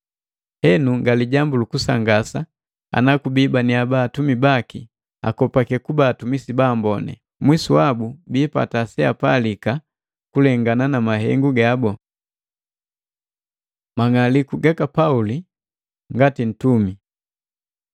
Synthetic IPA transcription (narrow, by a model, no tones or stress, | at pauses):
hɛnuŋɡaliɟambulukusa̰ŋɡasa | a̰nakubibaniabaːtumibaki | a̰kɔpakɛkubaːtumisibaːmbɔnɛ̰ | mwisuabubiːpa̰tasɛapalika | kulɛŋɡananamaɦɛ̰ŋɡuɡabɔ | maŋalikuɡakapauli | ŋɡatin̩tumi